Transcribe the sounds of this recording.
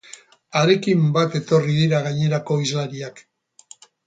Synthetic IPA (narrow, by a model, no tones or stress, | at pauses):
aɾe̞kimbat̪e̞t̪o̞riðiɾaɣ̞aɲe̞ɾako̞izlaɾiak